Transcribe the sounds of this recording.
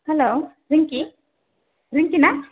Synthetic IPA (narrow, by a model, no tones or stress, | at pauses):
hɛloː | ɾiŋki | ɾɪŋkina